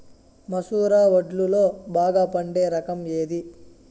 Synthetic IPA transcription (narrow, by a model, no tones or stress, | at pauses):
mɐsuːɾaːʋɐɖlulo̞ːbaːɡaːpɐɳɖeːɾɐkɐme̞ːd̪i